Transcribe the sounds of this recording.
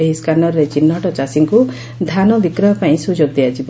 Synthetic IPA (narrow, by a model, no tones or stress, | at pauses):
eɦiskanɔɾɾet͡ʃinːɔʈɔt͡ʃasiŋku | d̪ʱanɔbikɾɔɦɔpaĩsud͡ʒoɡ̚d̪iad͡ʒib